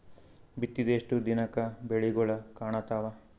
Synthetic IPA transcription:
bit̪ːid̪eːʂʈud̪inɐkɐbeɭiɡɔɭɐkaːɳɐt̪aːʋɐ

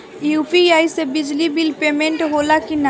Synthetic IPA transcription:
jupiajsebid͡ʒlibilpemẽɳʈɦolakina

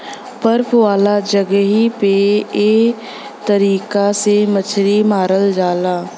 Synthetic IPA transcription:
pəɾpʰʋaːlad͡ʒəɡɦipeː | t̪əɾiːkasemət͡ʃʰɾimaːɾəld͡ʒaːlaː

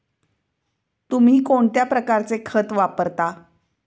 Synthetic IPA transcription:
t̪um̤iːkoɳt̪japɾəkaɾt͡sekʰət̪ʋapəɾt̪a

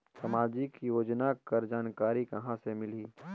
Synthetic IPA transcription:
sɐmaːd͡ʒikijoːd͡ʒnakɐɾd͡ʒaːnkaːɾikɐɦãsemɪliː

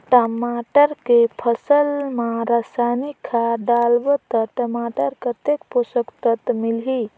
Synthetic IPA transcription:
ʈəmaʈəɾkepʰəsəlmãɾasanikʰːaɖalbət̪əʈəmaːʈəɾkət̪ek̚posəkt̪ət̪milɦi

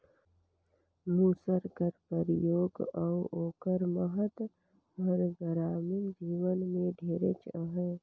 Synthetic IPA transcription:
muːsəɾkəɾpəɾjoːɡawoːkəɾməɦət̪ | bɐɾɡəɾaːmɪnd͡ʒiːwənmẽɖʱeːɾə̰t͡ʃəɦɛ̃

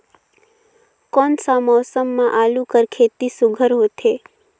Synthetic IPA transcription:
kɔnsamɔsəmːãʔalũkəɾkʰet̪isʊɡʱəɾɦot̪ʰe

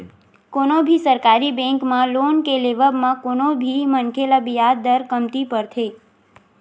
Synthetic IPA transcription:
konobʱisəɾkaɾibɛ̃ŋkmãlonkeleʋəbmãkonobʱimənkʰelabijad̪əɾkəmt̪ipəɾt̪ʰe

